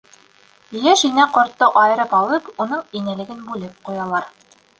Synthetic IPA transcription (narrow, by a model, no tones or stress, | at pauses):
jæʃinæqŏɾt̪ːɤʔɑjɤ̆ɾɤpɑlˠɤpun̪ɤɴinælɘ̆ɡɘnbʉlɘp̚qujɑlˠɑɾ